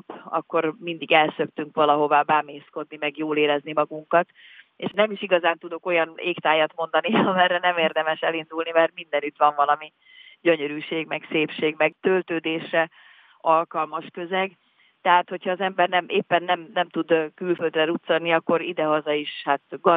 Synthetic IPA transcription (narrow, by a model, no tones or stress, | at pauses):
pɒ̰kːo̞rmind̪iɡɛlsø̞kt̪yŋkʋɒlɒɦo̞vaːbaːmeːsko̞d̪nimɛɡjoːleːɾɛznimɒɡuŋkɒt̪ | ḛːʃnɛmiʃiɡɒzaːnt̪ud̪o̞ko̞jɒnḛːkt̪aːjɒt̪mo̞nd̪ɒniɒmɛrːɛnɛmeːrd̪ɛmɛʃɛlind̪ulnimɛrt̪mind̪ɛnyt̪ʋɒɱvɒlɒmi | ɟøɲøɾyːʃeːɡmɛɡseːpʃeːɡmɛɡ̚t̪ølt̪øːd̪eːʃrɛ | ɒlkɒlmɒʃkø̞zɛɡ | t̪ɛɦaːt̪ho̞chɒːzɛmbɛrnɛmʔeːpːɛnːɛmnɛmt̪ud̪kylføld̪rɛɾut̪sɒlniɒkːo̞ɾid̪ɛɦɒzɒiʃhaːt̪ɡɒ